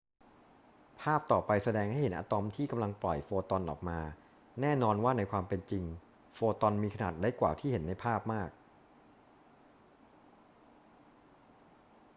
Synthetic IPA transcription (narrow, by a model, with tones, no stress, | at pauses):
pʰaː˥˩p̚t̪ɔː˨˩pa˧jsa˧dɛː˧ŋha˥˩jhe˦nʔaː˧t̪ɔ˧mt̪ʰiː˥˩ka˧mla˧ŋplɔ˨˩jfoː˧t̪ɔ˧nʔɔ̰ː˨˩k̚maː˧ | nɛː˥˩nɔː˧nwaː˥˩na˧jkʰwaː˧mpe˧nt͡ɕi˧ŋ | foː˧t̪ɔ˧nmiː˧kʰa˧na̰ː˨˩t̪̚ɾa˦˥jkwa̰ː˨˩t̪ʰiː˥˩he˩˦nːa˧jpʰaː˥˩p̚maː˥˩k̚